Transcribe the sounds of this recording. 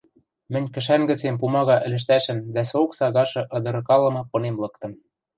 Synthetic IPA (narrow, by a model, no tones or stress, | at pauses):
mɘ̆nʲkɘ̆ʃænɡɘ̆t͡sempumɑɣɑʔɘ̆lɘ̆ʃ̬t̪æʃɘ̆md̪æsoksɑɣɑʃɤ̆ʔɤ̆d̪ɤ̆ɾɤ̆kɑlɤ̆mɤ̆pɤ̆nemlɤ̆kt̪ɤ̆m